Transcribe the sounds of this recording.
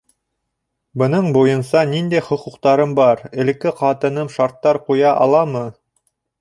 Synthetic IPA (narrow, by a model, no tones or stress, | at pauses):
bɤ̆nɤɴbujɤ̆nsɑnind̪æjχŏquqt̪ɑɾɤmbɑɾɘ̆lɘ̆kːɘqɑt̪ɤ̆nɤmʃɑɾt̪ːɑɾqujɑʔɑlˠɑmɤ